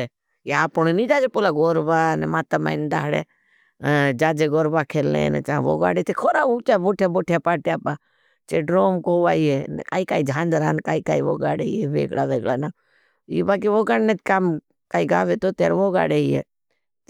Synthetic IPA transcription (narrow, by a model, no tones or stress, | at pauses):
e | eaːpɳonĩːd͡ʒaːd͡ʒepoːlaːɡoːɾbaːnɛmaːt̪ama̰ɪnd̪a̰ːɦɽḛ | d͡ʒaːd͡ʒeɡoːɾbaːkʰeːlḛ̃ːnḛt͡ʃãːʋo̰ːɡa̰ːɽet̪ʰekʰoːɾaːut͡ʃaːboːʈʰjaboːʈʰjaːpaːʈijaːpaː | t͡ʃeːɖɾoːmkoːʋaːieːnka̰ːikaːid͡ʒʱãːnd͡ʒ̪ɾaːnkaːikaːiʋo̰ːɡaːɽeieːʋḛːkɽa̰ːʋeːkɽaːna | ibaːk̬iʋoːɡaɽnet̪kaːm | kaːiɡa̰ːʋet̪ot̪eːɾʋoːɡa̰ːɽeiḛː